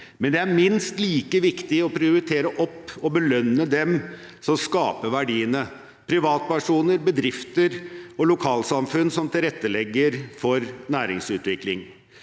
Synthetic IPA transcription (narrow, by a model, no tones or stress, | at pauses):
mɛnd̪ɛæɾmɪnst̪liːkəʋɪkt̪ɪɔpʰɾɪʊɾɪt̪ʰeːɾəʔɔpːɔbəlœnːəd̪ɛm | sɔmskɑːpəʋæɖiːənə | pʰɾɪʋɑːt̪̚pæʂuːnəɾbəd̪ɾɪft̪əɾɔlʊkʰɑːlsɑmfʉnːsɔmt̪ʰɪlɾɛt̪ːəlɛɡːəɾfɔɾnæːɾɪ̰ŋsʉːt̪ʋɪklɪŋ